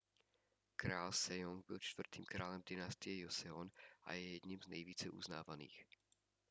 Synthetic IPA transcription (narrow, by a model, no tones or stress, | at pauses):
kɾaːlsɛjoŋɡ̚bɪlt͡ʃt̪vr̩t̪iːmkɾaːlɛmd̪ɪnast̪ɪɛjosɛonʔa̰jɛjɛd̪ɲimznɛjviːt͡sɛʔṵzna̰ːvanḭːx